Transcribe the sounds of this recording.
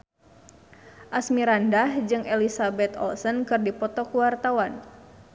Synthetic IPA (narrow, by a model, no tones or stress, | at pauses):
ʔasmiɾandahd͡ʒɨŋelisabɛt̪ɔ̰lsənkɨrdipɔt̪ɔkuwart̪awan